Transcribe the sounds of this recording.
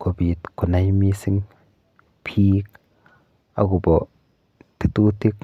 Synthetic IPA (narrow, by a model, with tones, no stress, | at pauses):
kʰo˨bi˨t̪kʰo˨na˧˦jmi˦si˦ŋ | pʰi˦k̚ | a̰˨ɡu˨bo˨ | t̪i˨t̪u˦t̪i˦k